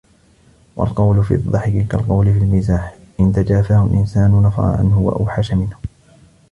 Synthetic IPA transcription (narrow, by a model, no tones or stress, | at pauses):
wa̰lqɑwlʊfḭːðˤːɑħɪkɪlkalqɑwlɪfilmɪzaːħ | ʔɪnt̪ad͡ʒaːfahʊ̰lʔɪnsaːnʊnɑfɑ̰ɾˤɑ̰ʕa̰nhʊwa̰ʔawħaʃamɪnhʊ